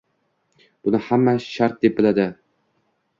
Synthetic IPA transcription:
b̥ʊnɪhamːaʃaɾt̪̚d̪e̞p̚bɪlad̪ɪ

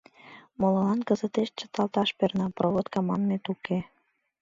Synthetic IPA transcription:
molɤlɑnkəzət̪eʃt͡ɕə̥̆t̪ɑlt̪ɑʃpernɑprʔoβot̪kɑmɑnːet̪uke

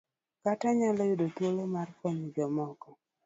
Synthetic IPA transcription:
kataɲalɔjʊdot̪wolomarkɔɲid͡ʒɔmɔkɔ

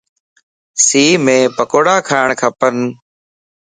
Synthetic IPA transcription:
siːmẽːpəkoːɽaːkʰaːɪɳkʰəpən

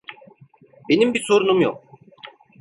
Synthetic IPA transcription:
be̞nimbiso̞ɾunumjo̰k̚

